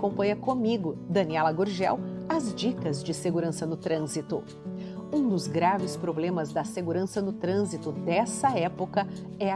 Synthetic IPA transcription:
kõmpɐ̃ɲɐkõmiɡʊd̪ɐniɛlɐɡoɾʒɛ̰wɐzd͡ʒikɐzd͡ʒɪseɡuɾɐ̃sɐnʊt̪ɾɐ̃zit̪ʊ | ũd̪ʊzɡɾavɪspɾoblẽmɐzd̪ɐseɡuɾɐ̃sɐnʊt̪ɾɐ̃zit̪ʊd̪ɛsɐɛpokɐ | ɛɐ

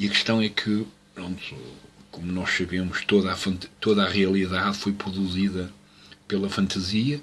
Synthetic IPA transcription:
iɐkɨ̥ʃt̪ɐ̃w̃ɛkʰɨ | pɾõnt̪ukomunɔʃsɐβemuʃt̪oðafɐ̃nt̪ɐt̪oðaʁiɐlˠiðaðfojpɾuðuziðɐ | pelˠɐfɐ̃nt̪ɐziɐ

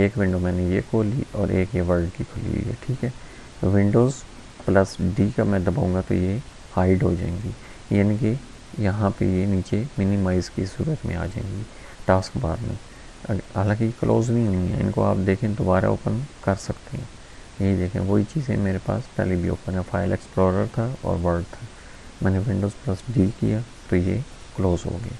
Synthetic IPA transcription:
eːkʋɪ̃ɳɖomɛ̃ːnejekoːlḭɔːɾʔeːkjeʋəɾlɖkikʰʊlḭo̰ɛ̰ːʈʰiːkɦɛː | ʋɪ̃ɳɖoːz | pləsɖiːkamɛ̃d̪ɐbaːɦũːɡat̪o̰je | haːɪɖɦo̰d͡ʒa̰ːẽːŋɡiː | jaːnĩke | jɐɦãpḛjeniːt͡ʃemɪnɪmaːɪzkisṵːɾət̪mẽa̰ːd͡ʒaːḛ̃ːŋɡiː | ʈaːskbaːɾmḛ̃ː | aːlãːkijeklʔoːznɐɦĩɦõŋɡa̰ɪ̰̃nko̰aːpd̪eːkʰẽd̪oːbaːɾa̰oːpənkɐɾsɐkt̪eɦɛ̃ː | jed̪eːkʰḛ̃ʋoːit͡ʃiːzɛ̰̃meːɾepa̰ːspɛ̰ɦlibʱio̰ːpə̃nɛfaːɪlɛksploːɾəɾt̪ʰaɔ̰ːɾʋəɾɖt̪ʰa | mɛːneʋɪ̃ɳɖoːzplɐsɖiːkija | t̪ojekloːzɦo̰ːɡaː

